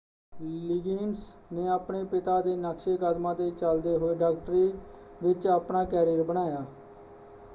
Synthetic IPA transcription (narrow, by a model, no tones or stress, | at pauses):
liɡiːnsneːaːpɳeːpɪt̪aːd̪eːnəkʃeːkəd̪mãːt̪eːt͡ʃəld̪eːɦoːeːɖaːk̚ʈəɾiːʋɪt͡ʃaːpnaːkɛːɾiːəɾbəɽ̃aːjaː